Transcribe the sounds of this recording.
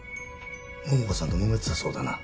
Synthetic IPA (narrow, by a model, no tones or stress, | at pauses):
momokosãnt̪omomet͡sɨ̥aso̞ːd̪a̰na̰